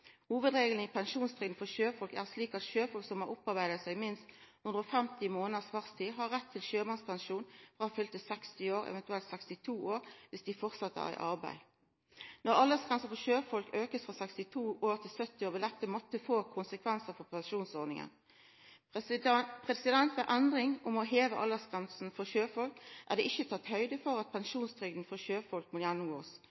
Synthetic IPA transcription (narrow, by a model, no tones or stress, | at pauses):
huːʋəd̪ʁeːɡəln̩ipʰɛnʃuːnst̪ʰʁɪɡ̪n̩fɔʃøːfɔlkæ̰ːʁsliːkɑt̪ʃøːfɔlksɔmɑɾʊpɑʁbæɪd̪ət̪sæɪmɪnst̪hʉnd̪ʁəoːfɛmt̪ɪmoːnəsʋæʁst̪ʰiːɦɑʁɛt̪ʰːɪlʃøːmɑnspʰɛnʃuːnfʁɑːɑfʏlt̪əsɛkst̪ɪoːʁɛ̰ʋɛnt̪ʉɛlt̪sɛkst̪ɪt̪ʰuːoːʁʋɪsd̪ɪfɔʁt̪sɑt̪ːəə̰ʁæ̰ɪʔɑʁbæ̰ɪ | nɔʁɑlːəʁsɡ̥ʁɛnsn̩fɔɕøːfɔlkøːkəsfʁɑsɛkst̪ɪt̪ʰuːoːʁt̪ʰɪlsœt̪ːɪoːbəlɛp̚t̪əmɔt̪ːəfoːkʰʊnsəkʰʋɛnsəfɔʁpʰɛnʃuːnsɔʁnɪŋə̰n | pʁɛsɪd̪ɛnt̪æʔɛnd̪ʁɪŋʔʊmɔɦeːʋəʔɑlːəsɡ̥ʁɛnsn̩fɔʃøːfɔlkʔæ̰ʁd̪ɛʔɪçːət̪ʰɑt̪hœʏd̪əfɔʁɑt̪̚pʰɛnʃuːnst̪ʰʁʏɡd̪n̩fɔɕøːfɔlk̚mʊt̪jænːʊmɡo̰ːs